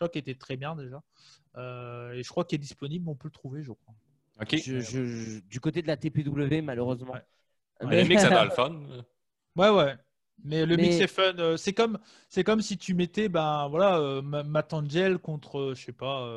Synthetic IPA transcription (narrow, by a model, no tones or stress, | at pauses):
wakiet̪ɛt̪χɛbjɛ̃d̪eʒa | øeʒ̥əkχwakiɛd̪ispɔniblɔ̃pølət̪χuveʒəkχwa | okʲeʒəʒəd̪ykot̪ed̪əlat̪eped̪ubləvemaløʁøzmɑ̃wɛ | ɛləmiksɛalfɔn | wɛwɛ | mɛləmiksɛfœnøsɛkɔm | sɛkɔmsit̪ʰymet̪ɛbɛ̃vwalaømamat̪ɑ̃d͡ʒɛlkɔ̃t̪χəʃɛpaø